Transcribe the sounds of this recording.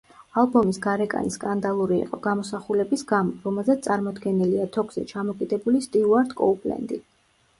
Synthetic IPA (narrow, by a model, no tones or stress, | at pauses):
alˠbɔmisɡaɾɛkʼa̰niskʼand̪alˠuɾiːḭqʼɔɡ̥amɔsaχulɛbisɡamɔɾɔmɛlˠzɛt̪t̪ʼaɾmɔd̪ɡɛnɛliat̪ʰɔɡz̥ɛ̰t͡ʃʰamɔkʼid̪ɛbulist̪ʼiuaɾd̪kʼɔupʼlɛ̰nd̪i